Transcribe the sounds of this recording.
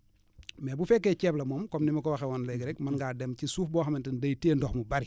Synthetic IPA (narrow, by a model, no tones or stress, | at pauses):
mɛbufɛkːeːcɛːplɐmɔːmkɔmnimɐkɔwɐxɛwɔnleɡɾɛkmɐnɡaːdɛmcisuːfbɔːxɐmɐntɐndɐjteːndɔxmubɐɾi